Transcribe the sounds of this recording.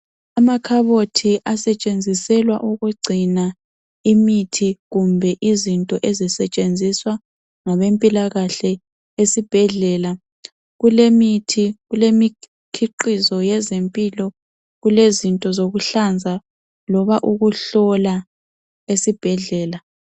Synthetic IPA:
amakʰaβotʰiʔasɛt͡ʃʼend͡zʱisɛlwa̰ʔuɣuɡ͡ǀʱina | imitʰiɣumbʱɛʔizintʼɔʔezisɛt͡ʃʼend͡zʱiswa | ŋaβempʼilaɣaɬɛ | esib̥ʱɛɮɛːla | ɣulemitʰiɣulemi | kʰiǃizɔjɛzempʼilɔ | ɣulezintʼɔzoɣuɬand͡zʱa | lɔβaʔuɣuɬɔla | esib̥ʱɛɮɛːla

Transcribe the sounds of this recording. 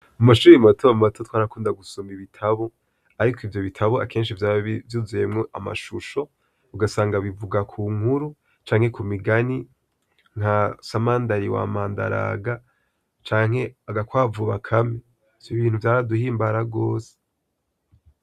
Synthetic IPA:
umaʃuːimatʰoamumatʰotʰwaːɾakuːndaɡusumiβitʰaβo | aɾikʰoivjo̞βitʰaβoa̰kʰeːnʃivjavjuːzuje̞mŋoʔama̰ʃuʃo̞ | uɡasaːŋɡaβivuɡakʰuːŋhuɾu | t͡ʃaːŋhe̞kʰumiɡani | ŋ̥hasamaːndaɾiwa̰ːmaːnda̰ɾa̰ːɡa | t͡ʃaːŋ̥he̞aɡakwaːvuβakʰami̥ | oβiːnhuvjaːɾaduhiːmbaɾaɡo̞ːse̥

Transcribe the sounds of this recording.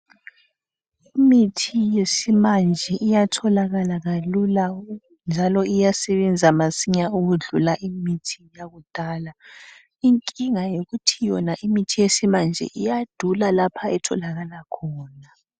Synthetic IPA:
imitʰijesimand͡ʒʱɛʔijatʰɔlaɣalaɣalula | nd͡ʒʱalɔijasɛβɛnd͡zʱamasiɲauɣuɮulaʔimitʰijaɣud̥ʱaːla | iŋkʼiŋajoɣutʰijɔnaʔimitʰijesimand͡ʒʱɛ̰ʔijad̥ʱulalapʰaɛtʰɔlaɣalakʰɔːna

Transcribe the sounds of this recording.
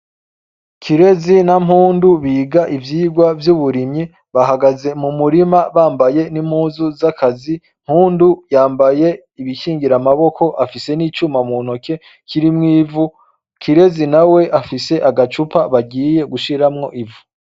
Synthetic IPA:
kʰiɾe̞zinam̥huːnduβiːɡaʔivjiːɡwavjuβuɾimɲi | βaɦaɡaze̞mumuɾimaβaːmbaje̞nim̥huːzuzakʰazi | m̥huːndujaːmbaje̞ | iβikiːŋɡiɾamaβo̞ko̞ʔafise̞niːt͡ʃumamuno̞ke̞ | kʰiɾimŋiːvu | kʰiɾe̞zinawe̞ʔafise̞ʔaɡat͡ʃupaβaɡiːje̞ɡuʃiɾamŋo̞̰ʔivu̥

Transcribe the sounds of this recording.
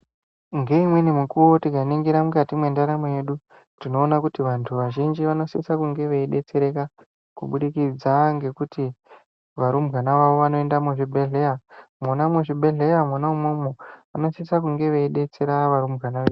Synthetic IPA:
ŋɡe̞imwe̞nemukuwo̞tikaniŋɡiɾamukatimwe̞ndaɾamoje̞ɗu | tino̞ːnakutiʋantʰuʋaʒind͡ʒiʋano̞siisakuŋɡe̞ʋeiɗe̞t͡se̞ɾe̞ka | kuɓuɗikid͡zaŋɡe̞kuti | ʋaɾumɡanaʋaʋo̞ʋano̞e̞ndamuʐibʱe̞ɮeamunamuʐibʱe̞ɮe̞jamwanaumwomoano̞sisakuŋɡe̞ʋeiɗe̞t͡se̞ɾaʋaɾumɡanaʋeːu

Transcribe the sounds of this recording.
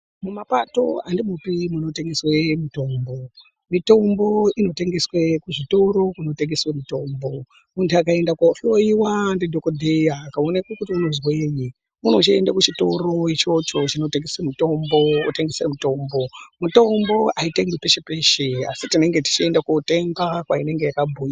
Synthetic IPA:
mumapato̞̰andimupimuno̞te̞ŋɡeswe̞mito̞ːmbo̞ | mito̞mbo̞ino̞teŋɡeswekuʐito̞ɾo̞kuno̞teŋɡeswemito̞ːmbo̞ | muntuakae̞ndakwafioiwandidʱokodʱejaːkaonekwukutiuno̞zweɲi | munout͡ʃiendakut͡ʃito̞ɾo̞it͡ʃo̞t͡ʃo̞t͡ʃino̞teŋɡeswemito̞mbouteŋɡeswemito̞mbo̞muto̞mbo̞ʔaiteŋɡipeʃepe̞ʃea̰sitine̞ŋɡe̞ti̥t͡ʃie̞ndakoteŋɡakwaine̞ŋɡe̞jakabʱuːja

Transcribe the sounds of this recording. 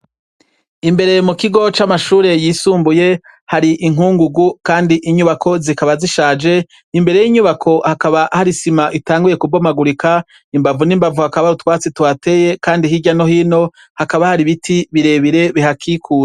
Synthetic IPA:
imbe̞ɾe̞mukiɡo̞t͡ʃamaʃuːɾe̞jiːsuːmbuje̞ | haɾiʔiŋuːŋɡuɡukaːndiʔiɲuβakʰo̞zikaβaziʃaːd͡ʒe̞ | imbe̞ɾe̞jiɲuβakʰo̞hakaβahaɾisimaʔitaːŋɡujekubomaɡuɾika | imbavunimbavuhakaβaɾutwaːt͡sitwaːte̞ːje̞kaːndihiɟano̞hiːno̞ | hakaβahaɾiβitʰiβiɾe̞βiɾe̞βiɦakʰiːkʰuːɾe

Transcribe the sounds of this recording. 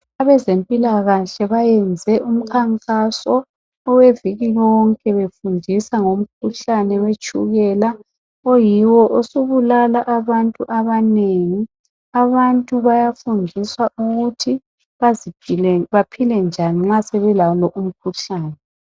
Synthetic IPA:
aβɛzempʼilaɣaɬɛβajɛnd͡zʱɛʔum̩kʰaŋkʼasɔː | weviɣijɔŋkʼɛβefundʱisaŋom̩kʰuɬanɛwet͡ʃʼṵɣɛla | ɔjiwɔʔosuβulalaʔaβantʼuʔaβaneŋi | aβantʼuβajafundʱiswaʔuɣutʰi | βazipiɛβapʰilɛnd͡ʒʱaniŋ͡ǁasɛβɛlalɔʔum̩kʰuɬaːnɛ

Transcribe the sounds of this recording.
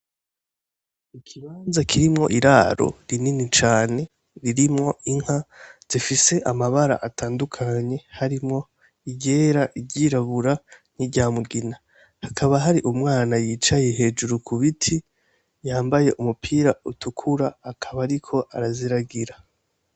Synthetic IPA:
ikʰiβaːnzakʰiɾimŋo̞̰ʔiɾaɾo̞̰ɾininit͡ʃaːne̞ | ɾiɾimŋo̞ʔiŋ̥haz̥ifise̞ʔamaβaɾa̰ʔatʰaːndukʰaɲe̞haɾimŋo̞ | iɟeːɾaʔiɟiːɾaβuɾan̥idɟaːmuɡina | hakʰaβaɦaɾiʔumŋaːnajiːt͡ʃaje̞ɦe̞ːd͡ʒuɾukʰuβitʰi | jaːmbaje̞ʔumupʰiːɾautʰukʰuɾaːkʰaβaɾikʰo̞ʔaɾaziɾaɡiɾa

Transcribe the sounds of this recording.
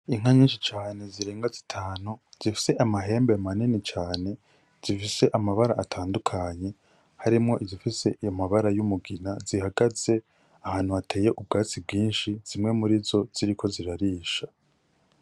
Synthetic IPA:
iŋ̥aɲiːnʃit͡ʃaːne̞ziɾe̞ːŋɡazitʰaːnuz̥ifi̥se̞ʔamaɦe̞ːmbemaninit͡ʃaːne̞ | z̥ifise̞ʔamaβaɾaʔːtʰaːndukʰaɲe̞ | haɾimŋo̞ʔizifise̞ʔijo̞maβaɾajumuɡinazihaɡaz̥e̞ | ahaːn̥uatʰe̞ːje̞ʔub̚ɡaːt͡sib̚ɡiːnʃiz̥imŋe̞muɾizo̞z̥iɾikʰo̞ziɾaɾiːʃa

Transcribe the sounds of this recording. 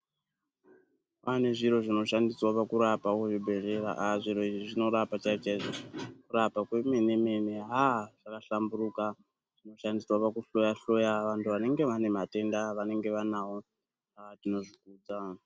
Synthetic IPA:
ʋane̞ʐiɾo̞ʐino̞ʃandiswapakuɾapawoʐibʱe̞re̞ɾa̰ʔaʐiɾo̞iʐiʐino̞ɾapat͡ʃait͡ʃaiʐo̞kuɾapakwemene̞me̞neɦaʐ̥akaɬamburuka | ʐ̥ino̞ʃandiswapakuɬo̞jaɬo̞jaʋantʰuʋane̞ŋɡe̞ʋane̞mate̞ndaʋane̞ŋɡe̞ʋanawo̞ | atino̞ʐikuːd͡za

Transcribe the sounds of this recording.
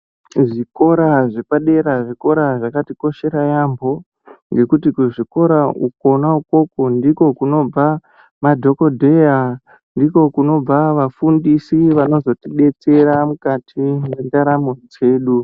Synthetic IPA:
ʐiko̞ɾaʐe̞paɗe̞ɾaʐiko̞ɾaʐakatiko̞ʃe̞ɾajambʱo̞ | ŋɡe̞kutikuʐiko̞ɾauk̚o̞nauko̞ko̞ndiko̞kuno̞b͡va | madʱo̞ko̞dʱe̞ja | ndiko̞kuno̞b͡vaʋafundisiʋano̞zo̞tiɗe̞t͡se̞ɾamukatʰimwendaɾamod͡ze̞ːɗu

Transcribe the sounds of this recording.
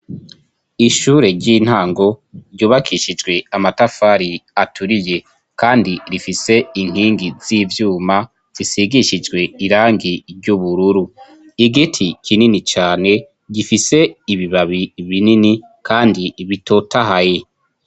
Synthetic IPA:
iʃuːɾe̞ɾɟiːn̥haːŋɡo̞ɾɟuːβakʰiʃid͡ʒɡwe̞amatafaːɾiatʰuɾije̞ | kaːndiɾifise̞iŋ̥hiːŋɡiz̥iːvjuːma | z̥isiɡiʃid͡ʒɡwe̞iɾaːŋɡiɾɟuβuɾuɾu | iɡitʰikʰininit͡ʃaːne̞ | ɡifise̞iβiβaβiβinini | kʰaːndiβito̞taɦaje

